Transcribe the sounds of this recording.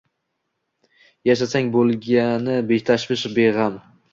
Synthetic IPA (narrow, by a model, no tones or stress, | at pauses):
jaʃ̬asaŋbolˠɡʲanɪbekt̪ʰaʃbɪʃbeʁam